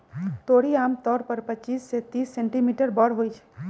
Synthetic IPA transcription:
t̪oɽiamt̪ɔːɾpəɾpət͡ʃiːsːet̪iːsːẽɳʈimiʈəɾbɔɽɦojt͡ʃʰ

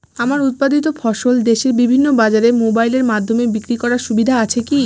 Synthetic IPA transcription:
amaɾut̪̚pad̪it̪̬ofʰɔʃold̪eʃeɾbibʱinːobad͡ʑaɾemobajleɾmad̪ʱːomebikɾikɔɾaɾʃubid̪ʱaat͡ɕʰeki

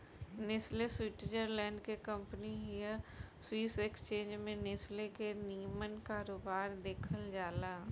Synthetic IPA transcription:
nɪsleswɪʈɪd͡ʒəɾlɛ̃ːɳɖkekə̃mpəniɦijəswiːsekst͡ʃẽːnd͡ʒmẽnɪslekenijəmənkaːɾoːbaːɾd̪eːkʰəld͡ʒaːlaː

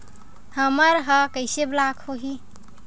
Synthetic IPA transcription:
həməɾɦəkəɪseblakʰhoɦi

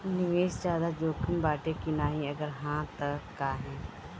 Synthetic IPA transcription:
nɪʋeːsd͡ʒjaːd̪ad͡ʒoːkʰɪmbaːʈekinaːɦĩɐɡəɾɦãːt̪əkːaːɦɛ̃ː

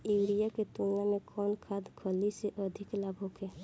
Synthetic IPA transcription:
iwɾijaked̪unijamekʰɔnkʰad̪kʰəliseʔəd̪ʱiklabʱɦoke

